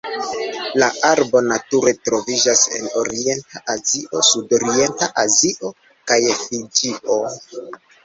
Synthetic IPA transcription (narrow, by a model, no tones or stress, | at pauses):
laʔaɾbo̞natuɾe̞tɾo̞vid͡ʒase̞̰no̞ɾie̞ntaʔaziʔo̞sudo̞ɾie̞ntaʔaziʔo̞ | kajfid͡ʒiʔo̞